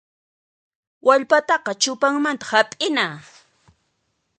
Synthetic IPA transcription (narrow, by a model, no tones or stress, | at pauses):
waʎpat̪ɑqɑt͡ʃʊpaŋmant̪ḁhapʼɪnaː